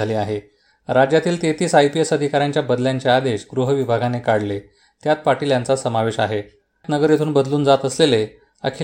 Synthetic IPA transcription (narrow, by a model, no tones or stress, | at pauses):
aliːaɦe | ɾad͡ʑjat̪iːlt̪et̪iːsajpiesəd̪ʱikaɾjaɲt͡ɕjabəd̪ljaɲt͡ɕead̪eɕɡɾuɦəʋibʱaɡʱanekaɽle | t̪jat̪̚paʈiljant͡sasəmaʋeɕaɦe | t̪nəɡəɾjet̪ʰuːnbəd̪luːnd͡zat̪əslele | ə̰kʰi